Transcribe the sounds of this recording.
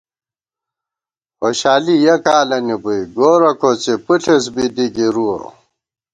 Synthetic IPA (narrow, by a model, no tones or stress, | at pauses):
oɕaːlijɐkaːlɐnibuiɡoːɾɐkʰot͡sepuɬʰes̬bid̪iɡiɾuo̰